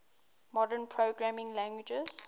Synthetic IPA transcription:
mɔdənpʰɹoɡɹamɪ̃ŋlãŋɡwid͡ʒəz̥

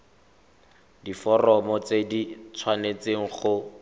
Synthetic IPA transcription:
difɔrɔmɔt͡sedit͡sʰwanet͡seŋ̩χʊ

